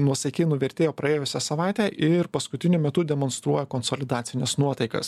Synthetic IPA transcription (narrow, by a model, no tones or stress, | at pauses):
nuɔsʲɐkʲeːnʊʋʲɛɾʲt̪ʲeːjoːpɾɐeːjʊsʲɛsɐʋɑˑɪt̪ʲæːʔɪɾpɐskʊt̪ʲɪnʲʊmʲɛt̪ʊd̪ʲɛmonst̪ɾuɔjɛkonsolʲɪd̪ɑːt̪sʲɪnʲɛsnuɔt̪ɐɪkɐ̰s